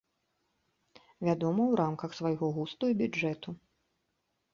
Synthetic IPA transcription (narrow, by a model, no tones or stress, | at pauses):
vʲad̪ɔmɐwɾamkɐxsvajɣɔɣust̪ujibʲud͡ʐɛt̪u